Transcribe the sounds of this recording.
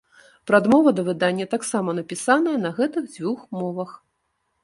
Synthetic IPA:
pɾad̪mɔvɐd̪ɐvɨd̪anʲːɐt̪aksamɐn̪ɐpʲisanɐjɐnɐɣɛt̪ɨɣd͡zʲvʲuxmɔvɐx

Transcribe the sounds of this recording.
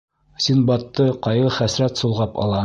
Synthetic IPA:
sinbɑt̪ːɤqɒjʁɤχæsɾæt̪sulˠʁɑpɒ̰lˠɑ

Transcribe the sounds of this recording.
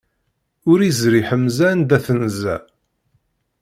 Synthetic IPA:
ʊɾizɾiħəmːzænd̪æθnzæ̰

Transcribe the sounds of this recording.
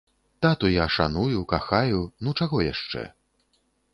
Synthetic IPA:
t̪at̪ujaʂa̰nujukaxajunut͡ʂaɣɔja̰ʂt͡ʂɛ̰

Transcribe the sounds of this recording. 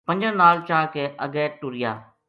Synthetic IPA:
pə̃ɲd͡ʒə̃naːlt͡ʃaːkʰeːʔəɡɛːʈʊɾɪja̰ː

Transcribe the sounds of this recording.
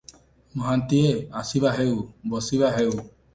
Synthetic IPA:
mɔɦant̪ieasibaɦewbɔsibaɦew

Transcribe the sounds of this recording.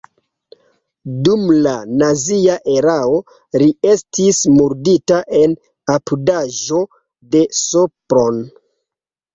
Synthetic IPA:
dumlanaziaʔe̞ɾao̞ | ɾie̞stismuɾditaʔe̞n | apudaʒo̞ | de̞sopɾo̞n

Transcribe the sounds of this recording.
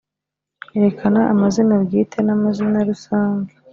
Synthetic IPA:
eɾe̞kʰanaʔamazinabɡiːtʰenamazinaɾusaːŋɡa

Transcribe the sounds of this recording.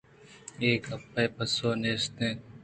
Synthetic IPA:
eːkɐpːeːpɐsoːneːst̪ẽː

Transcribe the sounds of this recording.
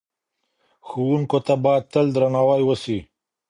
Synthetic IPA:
xuwuŋkot̪abajad̪̚t̪əld̪ɾanawajwəsi

